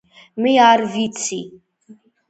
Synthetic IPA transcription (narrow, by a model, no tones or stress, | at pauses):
mijaːɾvit͡sʰi